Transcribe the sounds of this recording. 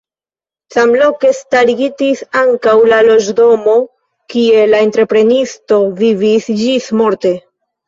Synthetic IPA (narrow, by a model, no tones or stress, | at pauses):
samlo̞ke̞staɾiɡitisaŋkawlalo̞d͡ʒdo̞mo̞ | kie̞laentɾe̞pɾe̞nisto̞vivisd͡ʒismo̞ɾte̞